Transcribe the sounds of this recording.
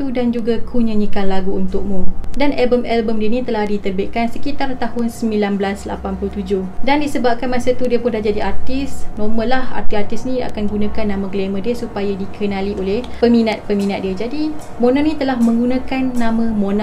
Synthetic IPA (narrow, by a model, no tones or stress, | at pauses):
t̪udand͡ʒuɡakʰuɲəɲikanlaɡuunt̪ʊk̚mũdanʔɛbəmɛlbəmdiənĩt̪əlahdit̪ərbɪʔ̪̚kansəkit̪art̪ahʊnsəmbilanblasla̰panpulut̪ud͡ʒʊhdandisəbap̚kanmãsat̪udiəpʊndahd͡ʒadiart̪ɪsnɔməlaha̰rt̪iart̪ɪsnĩa̰kanɡunãkanːãmãɡlemə̃diəsupajadikʰənãliʔolehpəmĩnat̪̚pəmĩnat̪̚diəd͡ʒadi | mõnãnĩt̪əlahmə̃ŋɡunãkanːãmãmonã